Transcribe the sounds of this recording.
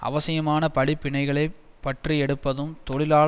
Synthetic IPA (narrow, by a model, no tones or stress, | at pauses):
ʔɐ̰ʋɐsɪjɐmaːnɐpɐɭɪpːɪɳɐɪɣɐɭɐɪ | pːɐʈriɛɽɯpːɐðɯmt̪ɔɭɪlaː